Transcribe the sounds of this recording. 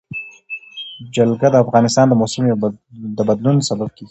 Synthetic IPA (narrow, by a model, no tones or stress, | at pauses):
d͡ʒalɡad̪əafɣɑnɪst̪ɑnd̪əmosɪjd̪əbad̪lunsabab̚keɡi